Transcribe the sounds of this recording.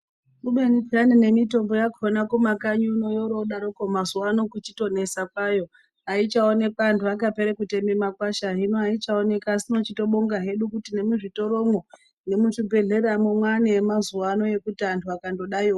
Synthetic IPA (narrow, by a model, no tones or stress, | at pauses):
kuɓenid͡zanine̞mito̞mbo̞jakonakomakaɲunojoɾoɗaɾokomazuwano̞kut͡ʃito̞ne̞sakwajo̞ | ait͡ʃaone̞kaːntʰuak̬ape̞ɾekute̞memakwaʃaɦinoait͡ʃaone̞kaːsino̞t͡ʃito̞ɓo̞ŋɡaɦe̞ɗukutine̞muʐito̞ɾo̞mo | ne̞muʐibʱe̞ɮe̞ɾamwemwaneemazuwano̞je̞kutiantʰuakando̞ɗaio